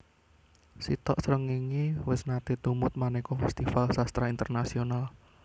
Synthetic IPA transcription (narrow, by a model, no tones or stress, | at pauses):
sit̪ɔʔsɾəŋiŋiwɪsnat̪et̪umʊt̪̚manekɔfɛst̪ifalsast̪ɾaint̪ərnasional